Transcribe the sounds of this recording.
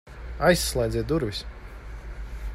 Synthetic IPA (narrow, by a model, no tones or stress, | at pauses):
ajsːlˠaj̪zʲɛt̪d̪uɾvis